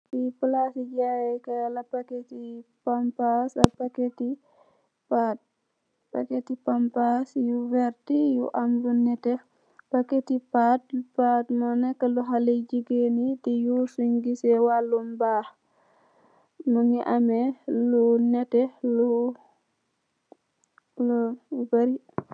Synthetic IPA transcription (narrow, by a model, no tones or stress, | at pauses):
tipulasiɟajɛkɐlɐpaketipampasapaketi | pat̚ | paketipampasjuvɛɾtijṵʔamlunɛtɛ | paketipat̚patmɔnɛkːaluɦaled͡ʒiɡenitijusuŋɡisɛwalumbah | muŋiʔamɛlunɛtɛlu | lbaɾi